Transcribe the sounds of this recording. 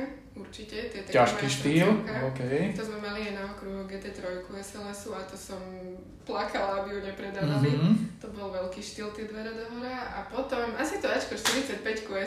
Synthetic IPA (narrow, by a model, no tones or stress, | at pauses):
uɾt͡ʃicɛt̪ɪɛt̪caʃkiʃt̪iːlaokɛjt̪ɔzmɛmaliaɪnaɔkɾuɦuɡɛːt̪ɛːt̪ɾɔjkuɛsɛlɛsuat̪ɔsɔm | plakalabijuɲɛpɾɛd̪aʋalit̪ɔbɔlʋɛlkiːʃt̪iːlt̪ɛd̪ʋɛɾad̪ɔɦɔɾaʔapɔt̪ɔmasit̪ɔat͡ʃkɔʃt̪iɾit͡sɪac̚pɛckuɛ